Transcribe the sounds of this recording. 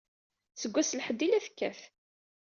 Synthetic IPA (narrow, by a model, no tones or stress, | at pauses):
t͡sːəɡʷːæslħəd̪ːilæθkːæθ